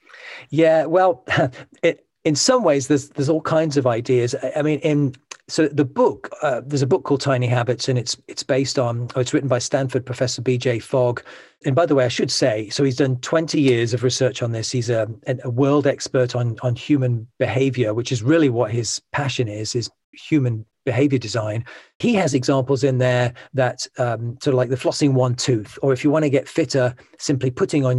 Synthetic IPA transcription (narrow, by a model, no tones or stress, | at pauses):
jæwɛlˠɪ | ɪ̃nsʌ̃mweɪzðə˞zðə˞zɔlˠkʰãɪ̃ndzʌvaɪdiɨzaɪmĩnɪ̃nsoʊðəbʊkʌðəzəbʊkʰːɔlˠd̚tʰãɪ̃niɦabɨtsɨ̃nɨtsɪtsb̥eɪstn̩əɨtsɹɪʔn̩baɪstæ̃nfə˞d̚pʰɹ̥əfɛsə˞bid͡ʒeɪfɔɡ | ɨ̃nbaɪðəweɪaɪʃɨd̥seɪsoʊizdʌ̃ntʰw̥ɛ̃ntijɪɹzʌvɹɨsɜ˞t͡ʃn̩ðɪshizɨɨ̃əwɜ˞lˠdɛkspə˞ɾn̩n̩hjʉmɨ̃nb̥ɪheɪvjə˞wɨt͡ʃɨzɹɪlˠiwʌt̚hɪz̥pʰaʃɨ̃nɪz̥ɪz̥ | hjʉmɨ̃nb̥ɨɦeɪvjə˞dɨzãɪ̃n | iɨzɨɡzɑ̃mpl̩ˠzɪ̃nðə˞ðɨtʌsɔɾəvlaɪk̚ðəflʌsɪ̃ŋwʌ̃ntʰʉθə˞ɨfjəwɑ̃ñɨɡɛtfɪɾəsɪ̃mplipʰʊɾɪ̃ŋə̃n